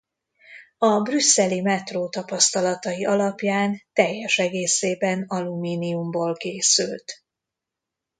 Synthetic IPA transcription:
ɒbrysːɛlimɛt̪roːt̪ɒpɒst̪ɒlɒt̪ɒjiʔɒlɒpjaːnt̪ɛjːɛʃɛɡeːseːbɛnɒlumiːniumboːlkeːsylt̪

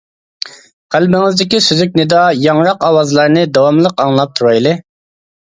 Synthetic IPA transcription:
qʰælbɪŋɪzd̪ɪkʲisyzykʲnɪd̪ɑjɑŋɾɑqɑwɑzlˠɑɾnɨd̪ɑwɑmlˠəqɑŋlˠɑp̚t̪ʰuɾɑjlˠɨ

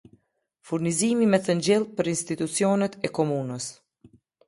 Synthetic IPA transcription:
fuɾnizimimɛθənd͡ʑɛlˠpəɾinst̪it̪ut͡sjɔnɛt̪ʰɛkɔmunəs

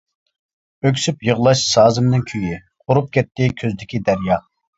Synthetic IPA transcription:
økʲsypjəʁlˠɑʃsɑːzɨmnɨŋkʲʰøji | qʰʊɾup̚kʲɛt̪ːɪkʲʰøzd̪ɪkʲid̪æɾjɑ

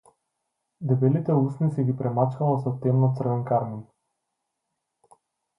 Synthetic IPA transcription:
d̪ɛbɛlit̪ɛusnisɛɡʲipɾʔɛmat͡ʃkalasɔt̪ɛmnɔt̪sr̩vɛnkaɾmin

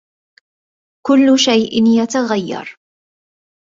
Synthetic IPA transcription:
kʊlːʃajʔɪnjat̪aɣajːɑ̰ɾˤ

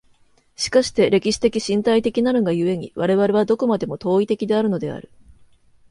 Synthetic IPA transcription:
ɕi̥kaɕi̥t̪e̞ɾʔe̞kʲiɕi̥t̪e̞kʲiɕĩnt̪ait̪e̞kʲinaɾɯ̟ŋɡajɯ̟e̞ɲ̟ḭβaɾe̞βaɾe̞βad̪o̞ko̞mad̪e̞mo̞t̪o̞ːit̪e̞kʲid̪e̞aɾɯ̟no̞d̪e̞a̰ɾɯ̟

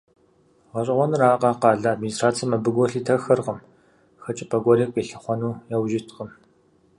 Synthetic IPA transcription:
ʁɐɕʼɪʁʷɔnɨraːqɑːqɑːɮɐːdministraːt͡sʰijɐmɐbɨɡʷɔɬiːtʰɐxɐrqəm | xɐt͡ʃʼɐpʰɐɡʷɔɮik̚ʷʼeɬɐχʷɔnuːjawʒɪtʰqəm

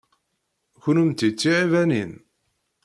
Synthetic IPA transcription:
çʊnəmt̪it͡sːiʕivænin

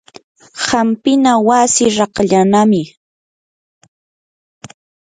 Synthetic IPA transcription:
hampɪnawasɪɾɑqʎanamɪ

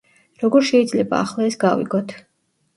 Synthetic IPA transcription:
ɾɔɡɔɾʃɛid̪zlɛba̰ːχlˠaɛsɡavḭɡɔt̪ʰ

